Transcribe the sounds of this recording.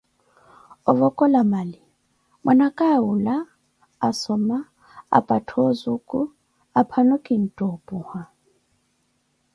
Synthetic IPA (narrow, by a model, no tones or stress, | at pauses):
ɔvɔkʼɔlamalɪ | mwʔanakʼaːulaː | sɔma | a̰pʼatʰɔzukʼu | apʰanɔkʼin̩tʼɔpʼuha